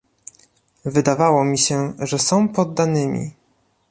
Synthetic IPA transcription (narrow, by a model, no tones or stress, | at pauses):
vɘd̪avawɔmʲiɕɛʐɛsɔ̃w̃pɔd̪ːanɘmʲḭ